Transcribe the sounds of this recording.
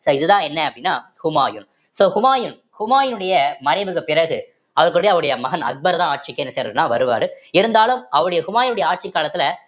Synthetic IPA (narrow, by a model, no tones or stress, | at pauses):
soːɪðɯðãːɛnːɛɐpːɐɽɪnːaːhʊma̰ːjɯn | soːhʊmaːjɯn | hʊmaːjɯnɯɽɐjɐmɐnɐɪʋɯɣɐpɪrɐɣɯ | ɐʋɐɾkɯɽɐjɐʋɐɾɯɽɐjɐmɐɣɐnɐ̰k̪̚bɐɾðãːaːʈ̚t͡ʃɪkːeɛnːɐseːɾɐðɯnːãːʋɐ̰ɾɯʋa̰ːɾɯɪɾɯnd̪aːlɯmɐʋɐɾɯɽɐjɐhʊmaːjɪnɯɽɐjɐaːʈ̚t͡ʃɪkːaːlɐt̪ːɪlɐ